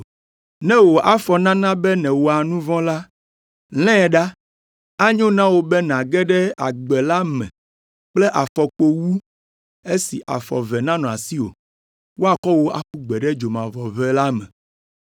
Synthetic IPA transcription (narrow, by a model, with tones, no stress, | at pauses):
nɛ̃˦wo˨ʔa˦fɔ˨nã˦nã˦bɛ˦nɛ̃˨wo˨a˨nũ˦vɔ̃˦la˦ | l̃ɛ̃˦˨ɖa˦ | a˦ɲõ˦nã˦wo˨bɛ˦nã˨ɡɛ˦ɖɛ˦a˨ɡ͡bɛ˨la˦mɛ̃˨ | k͡plɛ˦ʔa˨fɔ˨k͡po˦wu˦ | e˦si˨ʔa̰˨fɔ̰˨vɛ˨nã˦nɔ̃˨a˨si˦wo̰˨ | wo˦a˨kɔ˦wo˦a̰˦ku˦ɡ͡bɛ˨ɖɛ˦d͡ʒo˨mã˨vɔ˨vɛ˦la˦mɛ̰̃˨